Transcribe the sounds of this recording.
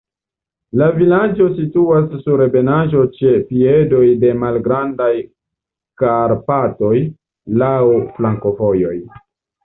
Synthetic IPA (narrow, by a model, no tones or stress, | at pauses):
lavilad͡ʒo̞situasːuɾebe̞naʒo̞t͡ʃe̞pie̞do̞jde̞malɡɾandaj | kaɾpato̞j | lawflaŋko̞fo̞jo̞j